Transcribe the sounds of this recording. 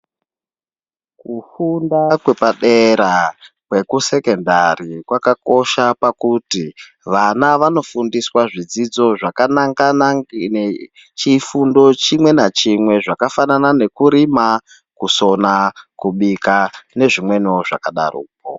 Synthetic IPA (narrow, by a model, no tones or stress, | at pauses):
kufundakwe̞paɗeɾa | kwe̞kuse̞ke̞ndarikwakako̞ʃapakuti | ʋanaʋano̞fundiswaʐid͡zid͡zo̞ʐakanaŋɡanaŋ | t͡ʃifundo̞t͡ʃimwe̞nat͡ʃimwe̞ʐakafananane̞kuɾima | kuso̞nakuɓikane̞ʐimwe̞noʐa̰kaɗa̰rṵːk̚o̰